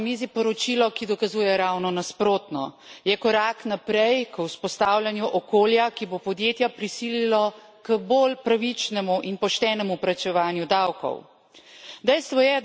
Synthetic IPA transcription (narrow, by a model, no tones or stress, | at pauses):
mizipɔɾɔt͡ʃilɔkid̪ɔkazuːjɛɾawnɔnaspɾoːt̪nɔ̰jɛkɔɾaːknapɾɛjkwspɔst̪aːwljanjuʔɔkoːljakibopɔd̪jeːt̪japɾisililɔ | kəbolpɾaʋit͡ʃnɛmuʔinpɔʃt̪ɛːnɛmupɾat͡ʃɛʋaːnjud̪awkɔ̰w | d̪ɛjst̪ʋɔjɛ